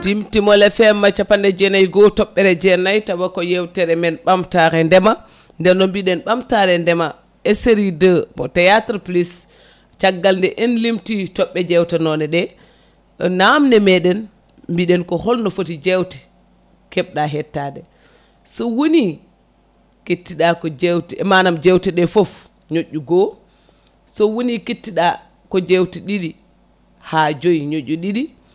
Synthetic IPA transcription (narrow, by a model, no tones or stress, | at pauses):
timtimɔlɛfɛmːat͡ʃapandɛd͡ʒɛnajɡɔtɔɓːɛɾɛd͡ʒɛnajtabakɔjɛwtɛɾɛmɛnɓamtaɾɛndɛma | ndɛnːɔmbiɗɛnɓamtaɾɛndɛma | ɛseɾidəmɔtajatɾplis | t͡ʃaɡːalndɛʔɛnlimtitɔɓːɛd͡ʒɛwtanɔnɛɗɛ | namnɛmɛɗɛn | mbiɗɛnkɔhɔlnɔfotid͡ʒɛwti̥ | kɛɓɗaɦɛtːadɛ | sɔwoni | kitːiɗakɔd͡ʒɛwtiɛmanamd͡ʒɛwtɛɗɛfɔf | ɲoʔːuɡɔ | sɔwonikitːiɗa | kɔd͡ʒewtiɗiɗi | haːd͡ʒojɲoʔːuɗiɗi